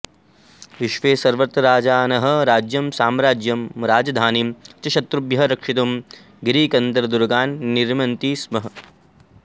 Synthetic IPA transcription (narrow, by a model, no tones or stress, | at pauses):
ʋiʃʋeːsɐɾʋɐt̪ɾaːd͡ʒaːnɐɦɐ̆ɾaːd͡ʒjɐmsaːmɾaːd͡ʒjɐmɾaːd͡ʒɐd̪ʱaːnimt͡ʃɐʃɐt̪ɾubjɐɦɾɐkʂit̪um | ɡɾiːkɐnd̪ɐɾɐd̪uɾɡaːnːiɾmɐnt̪iːsmɐɦɐ̆